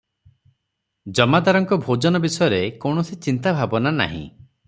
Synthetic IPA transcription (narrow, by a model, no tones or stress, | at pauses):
d͡ʒɔmad̪aɾɔŋkɔbʱod͡ʒɔnɔbisɔjɔɾekɔwɳɔsit͡ʃint̪abʱabɔnana̰ɦḭ̃